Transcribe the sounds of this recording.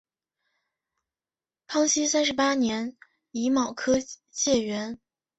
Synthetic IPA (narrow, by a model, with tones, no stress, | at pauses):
pʰɑ˥ŋɕi˥sa˥nʂɻ̩˧˥pa˥njɛ˧˥n | i˧˥mɑ˨˩ʊkʰɤ˥ɕjɛ˥˩ɥɛ˧˥n